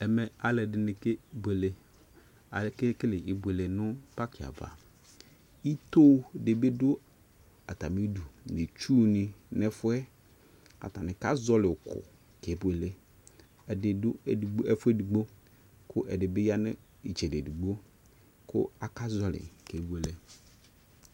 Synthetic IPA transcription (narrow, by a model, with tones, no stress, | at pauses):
ɛ˨mɛ˨a˨lɛ˨dɪ˨nɪ˨ke˦be˨le˨ | a˨lke˦kɪ˦lɪ˨ɪ˨bʷe˨le˨nʊ̃˦pa˦kʰɪ˨a̰˨va̰˨ | i˦t̪o˦de˨be˦dʊ˦ | a̰˨t̪a˨mi˦du˨nɪ˨t͡ʃu˦nɪ˨nɛ˦fʊ˦ɛ˦ | a̰˨t̪a˨nɪ̃˨ka˦zɔ˦lɪ˨kʊ̰˨ | ke˨˦bʊ˨e˨le˦ | ɛ˨dɪ˨dʊ˦˨ɡ͡bɛ˦fʊ˦ɛ˦du˨ɡ͡bo˦ | kʰʊ˦ʔɛ˨dɪ˨be˦ja˦nɪ̃˦ | i˨t͡ʃɛ˨de˨du˨ɡ͡bo˦ | kʰʊ̰˦a˨ka˦zɔ˨lɪ̰˨ke˨˦bu˦e˨le˦